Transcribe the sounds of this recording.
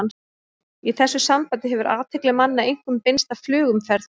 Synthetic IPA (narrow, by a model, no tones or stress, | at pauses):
n | iθɛsːʏsampajt̪ɪɦɛvʏɾʔaːt̪ʰɪklɪmanːaejŋ̥kʏmpenst̪avflʏːɣʏmfɛɾð